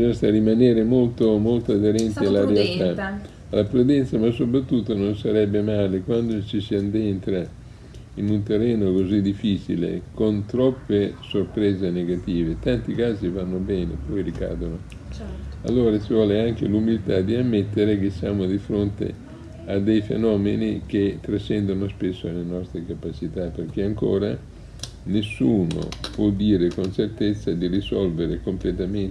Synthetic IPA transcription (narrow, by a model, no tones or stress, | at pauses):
bizoɲst̪arimaneːɾemolt̪omolt̪oad̪eɾɛnt̪eaalːaɾealt̪a | alːapɾud̪ɛnt̪samasːopɾat̪ːut̪ːononsaɾɛbːemaːlekwand̪ot͡ʃisiand̪ent̪ɾa | inunt̪erːɛːnokozid̪ifːiːt͡ʃilḛkont̪ɾɔpːesorpɾeːzeneɡat̪iːvet̪ant̪ikaːzivanːobɛːnepɔjɾika̰ːd̪ono | a̰lːoːɾasivɔːleaŋk̟ḛlumilt̪ad̪iamːet̪ːeɾekesːjaːmod̪ifɾont̪ḛ | ad̪ːejfḛnɔːmenik̟et̪ːɾat͡ʃːɛnd̪onospesːoalːenɔst̪ɾekapat͡ʃit̪apːerk̟eaŋko̰ːɾa | nesːuːno̰pwɔd̪ːiːɾekont͡ʃert̪et̪sːad̪irisɔlveɾekomplet̪amen